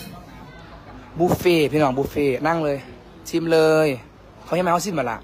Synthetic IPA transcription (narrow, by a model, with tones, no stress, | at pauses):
buː˧feː˧˩pʰiː˧nɔː˨˦ŋbuː˧feː˧˩na˧˥˨ŋlɤː˧j | t̪ʰi˧˥˨mlɤː˧j | kʰa˧˩˨a˧˨ma˧˩hsi˧˥˨maː˧˨la̰˧˩ʔ